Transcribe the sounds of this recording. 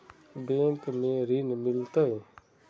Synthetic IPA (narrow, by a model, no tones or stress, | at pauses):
beːmkmẽɾinmɪlt̪aɦe